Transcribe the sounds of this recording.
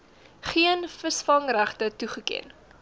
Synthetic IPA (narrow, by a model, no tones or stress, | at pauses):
χiənfəsfɐŋræχtətuχəkḛn